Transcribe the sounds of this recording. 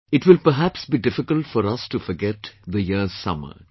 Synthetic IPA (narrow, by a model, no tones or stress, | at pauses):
ɪʈʋɪlpəɾɦæpsbiɖɪfɪkəlʈfɔɾɐsʈufɔɾɡɛʈd̪əjiəz̥sʌ̰mə̰